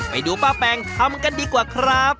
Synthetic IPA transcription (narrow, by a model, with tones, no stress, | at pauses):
pa̰˨˩jduː˧paː˥˩pɛː˧ŋt̪ʰa˧mka˧ndiː˧kwaː˨˩kʰɾa˦˥p̚